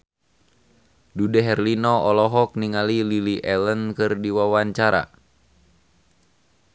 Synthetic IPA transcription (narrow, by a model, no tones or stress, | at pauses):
dudɛɦɛrlinɔɔlɔɦɔk̚niŋalililiʔɛlənkɨrdiwawaɲt͡ʃaɾa̰